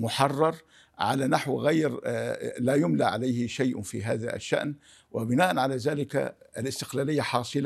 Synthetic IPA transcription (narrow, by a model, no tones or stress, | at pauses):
mʊħɑrˤːɑɾˤ | ʕa̰lanaħwɣajɾlaːjʊmlaʕalajhɪʃajʔfḭɦa̰ːða̰ʔa̰ʃːa̰ʔn | wɪbɪnaːʔanʕalaːzaːlɪka̰alɪst̪ɪ̥qlaːlɪjːaħɑːsˤɨl